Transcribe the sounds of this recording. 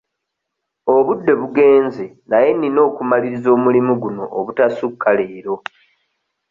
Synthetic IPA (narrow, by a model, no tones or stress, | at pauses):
oβudːe̞βuɡe̞ːnze̞ | naje̞nino̞ːkumaliɾizo̞ːmulimuɡuno̞ʔːβutasukʰːale̞ːɾo̞